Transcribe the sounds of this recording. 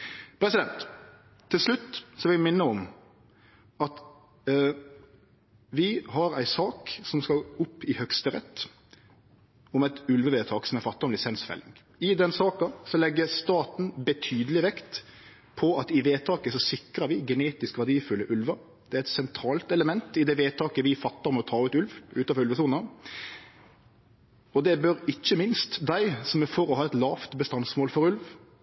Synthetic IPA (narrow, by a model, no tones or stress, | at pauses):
pʰɾɛsɪd̪ɛnt̪ʰː | ɪlslʉt̪ːsɔʋɪɪmɪnːəɔm | ɑt̪ | ʋɪhɑɾæɪsɑːksɔmskɑʊpːɪhœkst̪əɾɛ̰t̪ː | ɔmɛt̪ʉlʋəʋeːt̪ʰɑːksɔmɛfɑt̪ːɔmlɪsɛnsfɛ̰lːɪ̰ŋ | ɪd̪ɛnsɑːkɑsɔlɛɡːəɾst̪ɑːt̪n̩bət̪ʰyːd̪əlɪʋɛkt̪ | pʰɔɑt̪ɪʋeːt̪ʰɑːkəsɔsɪkɾəʋɪɡɛneːt̪ɪskʋæd̪iːfʉlːəʔʉlʋə | d̪̥ɛæɾɛt̪sɛnt̪ʰɾɑːlt̪ɛləmɛnt̪ɪd̪ɛʋeːt̪ʰɑːkəʋɪfɑt̪ːɑʁɔmɔt̪ʰɑːʉt̪ʉlʋʔʉːt̪ɑːɾʉlʋəsuːnə | ɔd̪ɛbœɾɪçːəmɪnst̪d̪æɪsɔmɛfoɾɔhɑːɛt̪lɑːft̪bəst̪ɑnsmoːlfɔɾʉlʋ